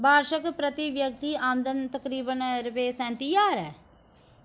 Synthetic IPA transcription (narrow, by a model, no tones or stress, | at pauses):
baːɾʃəkpɾət̪iʋjəkt̪iːaːmd̪ənt̪əkɾiːbənɾɪpeːsɛ̃ːnt̪ijaːɾɛː